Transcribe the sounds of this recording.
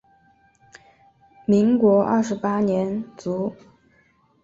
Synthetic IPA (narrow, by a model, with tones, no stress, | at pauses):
mi˧˥ŋkwɔ˧˥ʔɐ̰˥˩ʂɻ̩˧˥pa˥njɛ˧˥nt͡su˧˥